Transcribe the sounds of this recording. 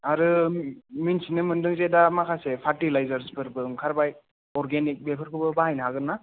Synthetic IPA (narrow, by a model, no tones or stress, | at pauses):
aɾɯ | minsinɯmɯndɯŋzedamakʰasepʰatilajzaɾsbɯɾbɯŋkʰaɾbaj | ɔɾɡenik̚bepʰaɾkʰɯbɯbaɦajnaɦaɡɯnːa